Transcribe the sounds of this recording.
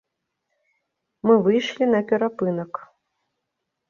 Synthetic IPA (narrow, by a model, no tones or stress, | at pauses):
mɨvɨjʂlʲinɐpʲɛɾapɨnɐk